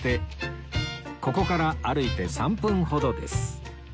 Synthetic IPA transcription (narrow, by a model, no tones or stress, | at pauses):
t̪e̞ | ko̞ko̞kaɾaaɾɯ̟it̪e̞sãmpɯ̟̃ɰ̃ho̞d̪o̞d̪e̞̰sɨ̥